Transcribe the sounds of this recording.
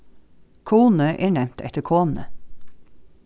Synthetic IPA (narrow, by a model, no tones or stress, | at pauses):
kʰuːnəʔeːɳɛmt̪ʰɛ̰t̪əkʰoːnə̰